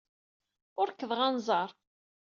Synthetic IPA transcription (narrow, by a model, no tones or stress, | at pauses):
ʊɾkːəðʁanzˤɑɾˤ